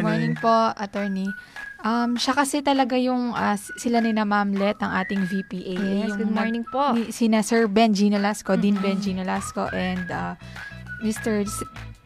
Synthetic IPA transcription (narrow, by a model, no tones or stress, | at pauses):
ɡmɔɹnɪŋpoɐt̪ɛɹniʔɐmʃɐkɐsɛt̪ɐlɐɡajʊŋʔasɪlanɪnɐmamlɛt̪̚ɐŋʔaːt̪ɪŋvipiːʔajjʊɡʊdmoɹnɪ̃ŋposɪnasɛɹbɛnd͡ʒiːnolaskod̪inbɛnd͡ʒiːnolasko̞̰ʔɛnd̪a | mɪst̪ɛɹs